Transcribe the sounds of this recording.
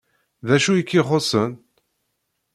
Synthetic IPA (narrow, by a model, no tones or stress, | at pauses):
ðæʃujikːiχosən